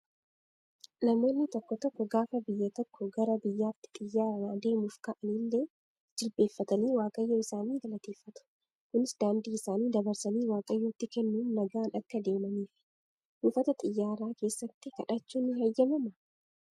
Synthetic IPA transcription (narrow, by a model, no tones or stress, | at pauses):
nɐmo̞ːnːɪt̪ɔkːɔt̪ɔkːɔɡaːfɐbɪjːɐt̪ɔkːɔɡɐɾɐbɪjːaːt̪ːɪ̥t̪ʼɪjːaːɾɐmaːd̪e̞ːmuːfkɐʔɐnilːe | d͡ʒɪlbe̞ːfːɐt̪ɐniːwaːkʼɐjːoːɪsaːniːɡɐlɐt̪eːfːɐt̪ʊ̥ | kʊnɪsd̪aːnd̪iːɪsaːniːd̪ɐbɐɾsɐniːwaːkʼɐjːoːt̪ːɪkɛnːuːnːɐɡaːnɐkːɐd̪e̞ːmɐniːfɪ̥ | ʔuːfɐt̪ɐt̪ʼɪjːaːɾaːke̞ːsːɐt̪ːɪkɐᶑɐt͡ʃːuːnːɪhɐjːɐmɐmɐ